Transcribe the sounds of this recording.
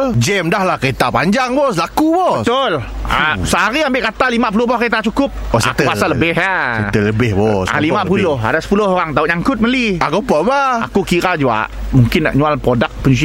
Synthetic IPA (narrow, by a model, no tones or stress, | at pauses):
d͡ʒɛmdahlahket̪apaɲd͡ʒaŋbɔsəlakubɔət̪ʊlasəɦaɾiambɪʔkat̪alimap̬ulʊɦbɔkəet̪̬at͡ʃukʊp̚st̪pasaləbɪɦat̪ələbɪhbɔsa̰limap̬ullʊha̰dasə̥pulʊɦoɾaŋt̪aʊʔɲaŋkʊt̪̚məliaɡopabaa̰kukiɾad͡ʒua̰ʔmuŋkɪna̰ʔɲualpɾodak̚pəɲus̬i